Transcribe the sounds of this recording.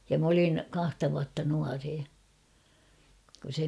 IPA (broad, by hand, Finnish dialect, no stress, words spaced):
jɑ m olin kɑhtɑ ʋuɑtːɑ nuɑreː kun̞ se